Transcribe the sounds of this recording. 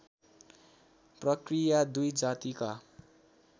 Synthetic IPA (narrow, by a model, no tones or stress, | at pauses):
prʌkrijad̪ujd͡zat̪ika